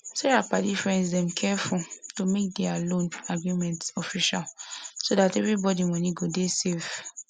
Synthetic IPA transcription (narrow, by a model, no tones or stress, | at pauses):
sɛɹapadifɹɛ̃nsdɛ̃mkʰɛfultomek̚dɛalõnaɡɹimɛ̃ntɔfiʃalsodatɛvɹibɔdimɔ̃niɡodesef